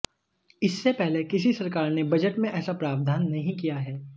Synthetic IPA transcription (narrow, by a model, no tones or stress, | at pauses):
ɪsːepɛɦlekɪs̬isɐɾkaːɾnebɐd͡ʒəʈmẽʔɛːsapɾaːʋd̪ʱaːnːɐɦĩkijaɦɛː